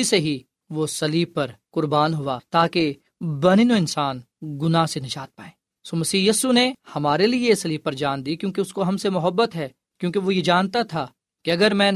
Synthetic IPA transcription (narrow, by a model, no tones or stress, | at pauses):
iseɦi | ʋosɐliːpɐɾkʊɾbaːnɦʊat̪aːke | bɐninoɪnsaːn | ɡʊnasenɐʃaːt̪̚paːẽː | soːmɐsiːjiːsunehɐmaːɾeliesɐliːpɐɾd͡ʒaːnd̪ikjõːkeʊskoɦɐmsemʊɦəbːət̪ɦɛː | kjõːkeʋojed͡ʒaːnt̪at̪ʰa | keɐɡəɾmɛ̃ː